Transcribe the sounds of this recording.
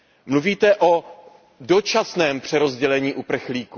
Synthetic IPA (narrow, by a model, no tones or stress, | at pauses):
mluviːt̪ɛʔo | do̞t͡ʃasnɛːmpr̥ɛɾo̞zɟɛlɛɲiːʔupr̩xliːku